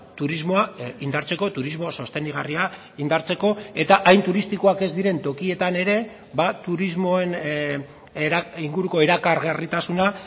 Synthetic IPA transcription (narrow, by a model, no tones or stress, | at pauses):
t̪uɾizmo̞aind̪aɾt͡se̞ko̞t̪uɾizmo̞so̞st̪e̞niɣ̞aria | ind̪aɾt͡se̞ko̞e̞t̪aʔajnt̪uɾist̪iko̞ake̞zd̪iɾe̞nt̪o̞kie̞t̪ane̞ɾe̞ | bat̪uɾizmo̞en | iŋɡuɾuko̞eɾakaɾɣarit̪asuna